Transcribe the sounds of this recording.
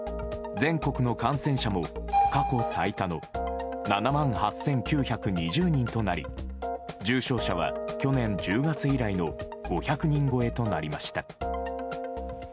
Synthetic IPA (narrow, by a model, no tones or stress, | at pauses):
d͡zẽ̞ŋko̞kɯ̟no̞kãɰ̃sẽ̞ɰ̃ɕamo̞kako̞sait̪ano̞nanamãɰ̃hasːẽ̞ŋkʲɨːçakɯ̟ɲ̟iʑɨːɲ̟ĩnt̪o̞naɾʲḭ | d͡ʑɨːɕo̞ːɕaβ̞a̰kʲo̞nẽ̞ɲd͡ʑɨːɡat͡sɨiɾaino̞ɡ̥o̞çakɯ̟ɲ̟ĩŋɡo̞e̞t̪o̞naɾʲimaɕi̥t̪a